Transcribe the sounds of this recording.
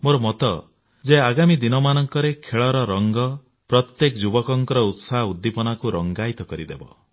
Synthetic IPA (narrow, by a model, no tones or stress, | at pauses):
moɾɔmɔt̪ɔ̰ | d͡ʒeaɡamid̪inɔmanɔŋkɔɾekʰeɭɔɾɔɾɔŋɡɔ | pɾɔt̪jekd͡ʒubɔkɔŋkɔɾɔut̪saɦud̪ːipɔnakuɾɔŋɡajt̪ɔkɔɾid̪ebɔ̰